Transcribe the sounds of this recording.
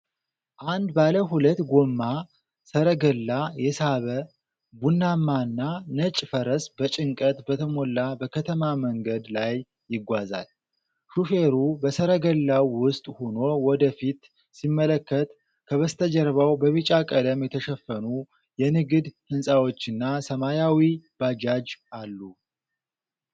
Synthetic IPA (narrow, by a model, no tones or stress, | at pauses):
ʔand̪baləɦulət̪ːɡomːa | səɾəɡəlːajɛsaβə | bunːamːanːanət͡ʃʼfəɾəsbət͡ʃʼɪŋkʼət̪bət̪ʰəmo̞lːabəkʰət̪ʰəmaməŋɡəd̪lajː | ɪɡʷaza̰l | ʃufeɾubəsəɾəɡəlːawːʊst̪ʼhono̞wɔd̪əfit̪ | simːələkːət̪ | kʰəβəst̪ʰəd͡ʒəɾβawbəβɨt͡ʃʼakʼəd̪əmjɛt̪ʰəʃɛfːənu | jɛnɨɡɨd̪hɨnsʼawo̞t͡ʃːɨnːasəmajawib̥ad͡ʒad͡ʒʔalːu